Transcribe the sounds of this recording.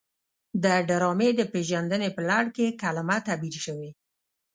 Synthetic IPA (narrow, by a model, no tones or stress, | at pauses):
d̪əɖaɾɑmed̪əpeʒand̪ənepəlaɽkekalamat̪abilʃəwe